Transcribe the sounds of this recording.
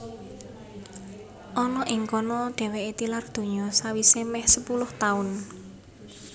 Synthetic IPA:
ʔɔnɔʔɪŋkɔnɔɖ̪̥ɛ̤weet̪ilard̪̥ṳɲɔsawisemɛhsəpulʊht̪aʊn

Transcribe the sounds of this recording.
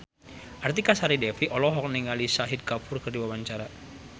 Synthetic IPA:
ʔart̪ikasaɾidɛfiʔɔlɔɦɔk̚niŋalisaɦid̪̚kafʊrkərdiwawaɲt͡ʃaɾa

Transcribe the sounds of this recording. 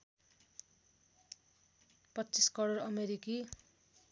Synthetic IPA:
pʌtːt͡siskʌɾʌrʌmeɾiki

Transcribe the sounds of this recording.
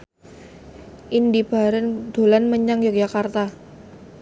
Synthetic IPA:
ʔindib̥a̤ɾand̪̥o̤lanməɲaŋjɔk̚d͡ʒakart̪a

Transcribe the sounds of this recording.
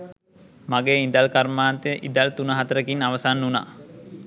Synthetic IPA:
maɡeːind̪alkarmaːnt̪eəʔid̪alt̪unəɦat̪əɾəkinaʋəsanːuna̰

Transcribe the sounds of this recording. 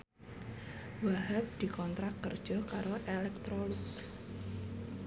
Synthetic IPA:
waɦap̚d̪̥i̤kɔnt̪ɾakːərd̥ʒ̥ɔ̤kaɾoʔelɛk̚t̪ɾoluk

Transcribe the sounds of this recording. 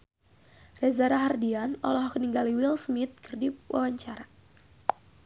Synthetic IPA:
rɛzaɾaɦardianɔ̰lɔhkəniŋɡaliwilsmit̪̚kərdiwʔa̰waɲt͡ʃaɾa

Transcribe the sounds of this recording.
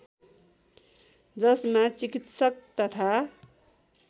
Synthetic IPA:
d͡zʌsmat͡sikit̪sʌk̚t̪ʌt̪ʰa

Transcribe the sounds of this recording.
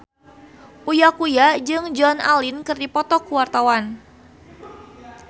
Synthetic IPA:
ʔujakujad͡ʒɨŋd͡ʒɔna̰lɪnkɨrdipɔt̪ɔkuwart̪awan

